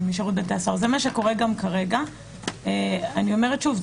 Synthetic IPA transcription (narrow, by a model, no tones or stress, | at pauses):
miʃaʁut̪̚bet̪easaʁzemaʃeko̞ʁeɡamkaʁeɡa | eanio̞meʁetʃuv